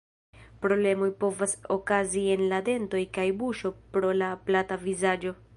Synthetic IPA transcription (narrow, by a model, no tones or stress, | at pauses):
pɾo̞ble̞mojpo̞vaso̞kazie̞nlade̞nto̞jkajbuʃo̞pɾo̞laplatavizad͡ʒo̞